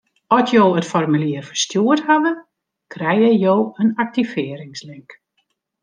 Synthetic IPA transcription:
ɔsjoːətfɔrmyliərfərstjuərthadə | krɛjɛjjoːənak̚tivɪːəɾɪŋslɪŋk

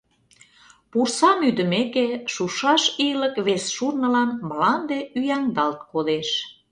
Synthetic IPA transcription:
pursɑmyd̪əmekeʃuʃɑʃiləkβesʃurnə̆lɑnməlɑnd̪eyjæŋd̪ɑlt̪kod̪eʃ

